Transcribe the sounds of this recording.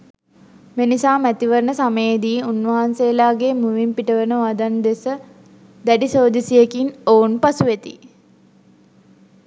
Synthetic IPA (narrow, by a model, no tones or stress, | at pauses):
menisaːmæt̪iʋəɾnəsaməjed̪iːunʋɐɦansejːlaːɡemuʋimpiʈəʋənəʋad̪and̪esə | d̪æɖisoːd̪isijekinounpasuʋet̪i